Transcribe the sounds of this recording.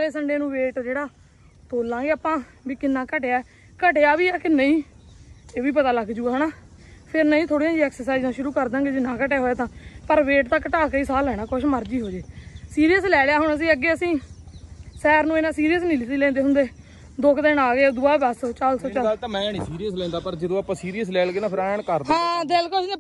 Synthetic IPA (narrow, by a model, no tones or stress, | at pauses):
ɾeːsəɳɖeːnũːʋeːʈd͡ʒeːɽaː | t̪oːlːãːɡeːaːpãː | biːkɪnːãːkəʈeaːɛ | kəʈeːaːʋiːaːkɪnəĩː | eːʋiːp̬ət̪aːləɡd͡ʒuːaːnaːpʰɪɾnəĩːt̪ʰoːɽiãːd͡ʒiɛːksəɾsaːiznãːʃʊɾuːkəɾd̪ãːɡeːd͡ʒɪnːãːkəʈeːɦoːaːt̪ãːpəɾʋeːʈt̪ãːkəʈaːkəiːsaːlɛːnaːkʊʃməɾd͡ʒiːɦoːd͡ʒeːsiːɾijəslɛːljaːɦʊɳəs̬ĩːəɡːeːəsĩː | sɛːɾnũːeːnãːsiːɾijəs̬nĩːlɪsiːlɛ̃ːnd̪eːɦʊ̃nd̪eː | d̪ʊkʰd̪eːɳaːɡeːd̪ʊaːbəst͡ʃaːlsɔːt͡ʃaalt̪ãːmɛ̃ːnĩːsiːɾijəslɛ̃ːnd̪aːpəɾd͡ʒəd̪õːapãːsiːɾiəs̬lɛːɡeːnãːpʰɪɾɳkəɾd̪ãːd̪ɪlkʊʃ